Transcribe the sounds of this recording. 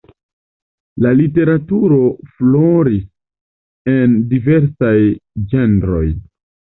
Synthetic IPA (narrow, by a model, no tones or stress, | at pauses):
lalite̞ɾatuɾo̞flo̞ɾis | endive̞ɾsajd͡ʒe̞ndɾo̞̰j